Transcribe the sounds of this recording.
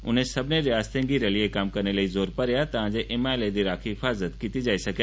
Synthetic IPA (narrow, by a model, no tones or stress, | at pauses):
ʊ̰n̤ẽsɐbʱɪneɾɪjaːst̪ẽŋɡiɾɐliekaːmkɐɾnelɐizoːɾpɐɾjat̪ɐʋ̤ãːɲd͡ʑeʔeːmaːeled̪iɾaːkʰiɦɪfaːzət̪kit̪id͡ʒaːisɐɡjaː